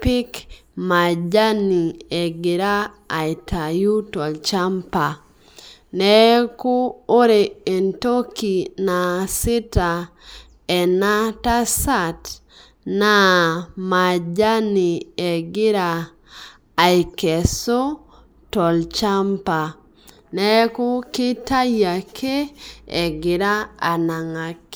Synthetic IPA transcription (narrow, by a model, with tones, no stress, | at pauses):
pɪ˦kma˨d͡ʒa˦ni˨ɛ˨ɡɪ˨ɾa˦˨ | jtʰa˨ju˦tɔ˨lt͡ʃa˦mpa˨ | nɛ˦ko˦o˦ɾe˨e˨nto˦ki˨na˨sɪ˦ta˨ | ɛ˨na˦ta˦sa˦t | na˦ma˨d͡ʒa˦ni˨ɛ˨ɡɪ˦ɾaː˨ | i˨kɛ˨so˦ | tɔ˨lt͡ʃa˦mpa˨ | nɛ˦ko˦kɪ˦ta˦ja˨kʰe˦ɛ˨ɡɪ˨ɾa˦a˨na˨ŋa˨k